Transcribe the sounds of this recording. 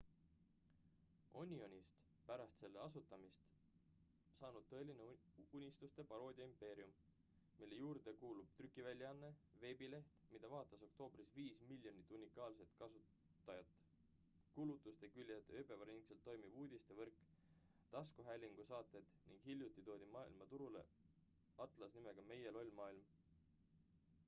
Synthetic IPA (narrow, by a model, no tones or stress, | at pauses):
o̞nʲio̞nʲist̪ | pæɾɑst̪se̞lːe̞ɑsut̪ːˑɑmist̪ | sɑːnud̪̥̚t̪ɤ̞e̞lineunʲist̪ust̪e̞pɑɾo̞ːd̪ʲiɑimpe̞ːɾiumː | ilːe̞juːɾd̪̥e̞kuːlub̥̚t̪rykːˑivælʲjɑɑnːe̞ve̞ːbile̞ht̪mid̪̥ɑvɑːt̪ːˑɑso̞kt̪o̞ːbrisviːsmilʲːjo̞nit̪ːˑunʲikːˑɑːlse̞t̪kɑsuːˑ | ɑjɑt̪ːˑ | kulut̪ːˑust̪e̞kylʲjɑd̪epe̞vɑɾnikselt̪ːo̞jmiv̥uːd̪ist̪e̞vɤrkːˑ | t̪ɑskuɦælʲiŋɡ̥usɑːt̪ːˑe̞d̪̥niŋɡ̥ɦilʲjut̪ːˑit̪o̞ːd̪ʲimɑːḭlmɑt̪uɾule̞̰ | ɑt̪ˑlɑsnime̞ɡ̥ɑme̞je̞lo̞lʲmɑːilm